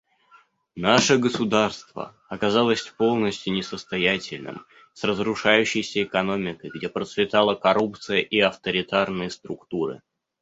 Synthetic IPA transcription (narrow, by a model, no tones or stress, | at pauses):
naʂəɡəsʊd̪arst̪və̰ | ɐkɐzɑlˠəsʲpo̞lˠnəsʲtʲjʊnʲɪsəst̪ɐjatʲɪlʲnɨ̰m | srəzɾʊʂajʉɕːɪjsʲəɪkɐno̞mʲɪkəjɡdʲe̞pɾət̪svʲɪt̪alˠəkɐɾup̚t̪sɨjəʔiɐft̪əɾʲɪt̪arnɨjəst̪ɾʊkt̪uɾɨ̰